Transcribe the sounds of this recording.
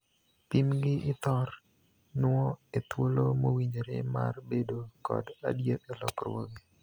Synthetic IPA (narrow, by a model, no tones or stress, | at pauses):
pimɡɪʔɪt̪ɔr | nʊɔet̪wolomowiɲɾḛma̰rbedokɔ̰da̰djet̪ɛlɔ̰krwoɡi